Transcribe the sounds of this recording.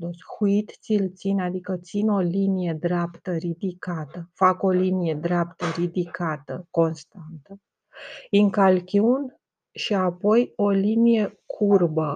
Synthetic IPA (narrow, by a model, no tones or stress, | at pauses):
d̪oshuit̪t̪silt̪sinad̪ikət̪sino̞linije̞d̪ɾapt̪əɾid̪ikat̪əfako̞linije̞d̪ɾeapt̪əɾid̪ikʰat̪əko̞nst̪ant̪ə | iŋkalkʲun | ʃiapo̞jo̞linije̞kʰurbə